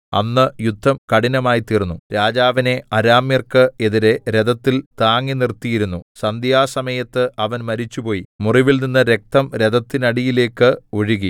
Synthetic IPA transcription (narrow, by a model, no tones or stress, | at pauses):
ɐ̰nːɨjud̪ʱːɐmkɐɽinɐmaːjit̪iːrnːuɾaːd͡ʑaːʋɐne̞ɐɾaːmjɐrkɨe̞ðiɾe̞ɾe̞d̪ɐt̪ːilt̪aːŋːinirt̪ːijiɾunːusɐnd̪jaːsɐmɐjɐt̪ːɨɐʋɐnmɐɾit͡ɕːupo̞ːjimuriʋilninːɨɾe̞k̚t̪ɐmɾe̞ðɐt̪ːinɐɽijile̞ːkːɨo̞ɻuɣi